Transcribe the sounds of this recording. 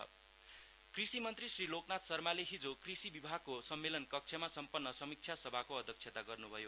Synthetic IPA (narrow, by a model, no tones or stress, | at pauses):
krisimʌnt̪risriloknat̪sʌrmaleɦid͡zokrisibibʱaɡ̚kosʌmːelʌnkʌk̚t͡ʃʰʌmasʌmpʌnːʌsʌmik̚t͡ʃʰjasʌbʱakoʌd̪ʱjʌk̚t͡ʃʰet̪aɡʌrnubʱʌjo